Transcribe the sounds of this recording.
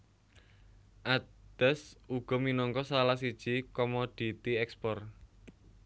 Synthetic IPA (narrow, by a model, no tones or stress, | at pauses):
ʔad̪̥ɛsuɡ̥ɔ̤minɔŋkɔsalas̬id̥ʒ̥ikɔmod̪̥i̤t̪iɛkspɔr